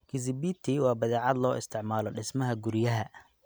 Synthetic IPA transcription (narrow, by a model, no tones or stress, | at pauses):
kʰɪs̬ɪbit̪ʰɪwɑːbɐðɛːʕɑd̪lɔːʔɪ̰st̪ʰɪʕmaːlɔɖɪsmɐɦɐɡʊɾɪjɐɦɐ